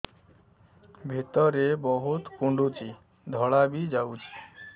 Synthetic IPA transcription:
bʱit̪ɔɾebɔɦut̪kuɳɖut͡ʃʰi | d̪ʱɔɭabid͡ʒawt͡ɕʰi̥

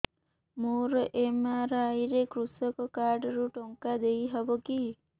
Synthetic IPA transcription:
moɾʔemaɾajɾekɾusɔkɔkaɾɖɔɾuʈɔŋkad̪ejɦɔbɔki

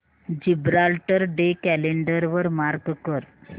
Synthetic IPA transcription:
d͡ʑibɾalʈəɾɖekæleɳɖəɾʋəɾmaɾɡkəɾ

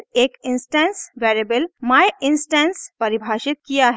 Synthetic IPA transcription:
eːkɪnsʈɛ̃nsʋeːɾebəlmajɪnsʈɛ̃nspɐɾibʱaːʃɪt̪̚kijaɦ

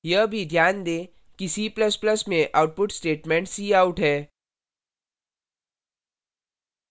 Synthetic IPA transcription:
jəbʱid̪ʱjaːnd̪ẽː | kisiːplɐsplɐsmẽʔaːʊʈ̚pʊʈsʈeːʈmẽːɳʈsiːaːʊʈɦɛː

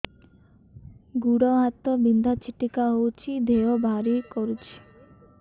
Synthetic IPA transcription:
ɡuɽɔɦat̪obind̪ʱat͡ʃʰiʈikaɦowt͡ʃʰid̪ʱeobʱaɾikoɾut͡ɕʰi̥

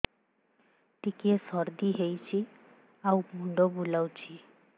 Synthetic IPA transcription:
ʈikiesɔɾd̪iɦejt͡ʃʰi | awmʱuɳɖɔbulawt͡ʃʰi

